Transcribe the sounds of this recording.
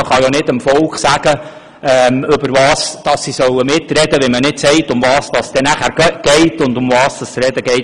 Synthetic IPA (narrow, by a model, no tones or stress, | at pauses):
əχɑjanɪdəmfɔlkχsæɡ̥ə | ɛmʏbəɾvɑːsd̥ɑsːisœwəmɪtrɛdəʋimənɪtsɛɪtʊmvɑːsd̥ɑsd̥ɛnæχæːɾɡɡ̥ɛɪtʊndʊmvɑːsd̥ɑsɾɛd̥əɡɛɪt